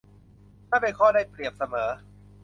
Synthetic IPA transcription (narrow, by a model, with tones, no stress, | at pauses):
t̪ʰaː˥˩pe˧nkʰɔː˥˩daː˥˩jpɾi˨˩əp̚sa˧mɤː˩˦